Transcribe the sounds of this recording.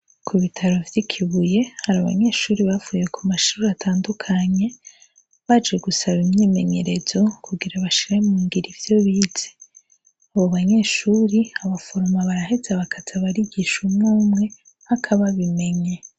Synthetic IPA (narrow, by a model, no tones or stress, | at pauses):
kʰuβitʰaɾo̞vjikʰiβuje̞haɾaβa̰ɲe̞ːʃuːɾiβavuːje̞kʰumaʃuɾatʰaːndukʰaɲe̞ | βad͡ʒe̞ɡusaβimɲiːme̞ɲe̞ɾe̞zo̞kʰuɡiɾaβaʃiɾemuːŋɡiɾivjo̞βiːz̥e̥ | aβo̞βaɲe̞ːʃuːɾiaβafo̞ɾomaβaɾaɦezaβakʰazaβaɾiɟiʃumŋaːmŋe̞ | hakʰaβaβime̞ɲe